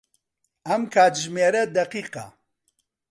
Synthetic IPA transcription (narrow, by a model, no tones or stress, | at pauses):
ɐmkʰaːt̪ʒmeːɾɐd̪ɐqiːqɐ̰